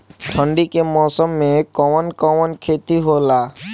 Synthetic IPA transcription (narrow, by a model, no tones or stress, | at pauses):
ʈʰə̃ɳɖikemɔːsɔmːekɔmɔnkɔmɔnkʰet̪iɦola